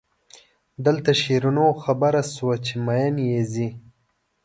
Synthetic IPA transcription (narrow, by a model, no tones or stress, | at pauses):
d̪əlt̪aʃeɾunoxabaɾaswat͡ʃemajanjezi